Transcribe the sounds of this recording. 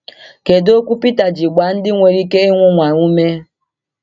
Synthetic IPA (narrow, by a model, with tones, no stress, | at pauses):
ke˨do˦kʷu˦pi˦ta˨d͡ʒi˨ɡ͡ba˨n̩˦dɪ˦ŋʷe˨ɾi˦ke˦e˦ŋʷʊ˦ŋʷa˨ŋʷu˦me˦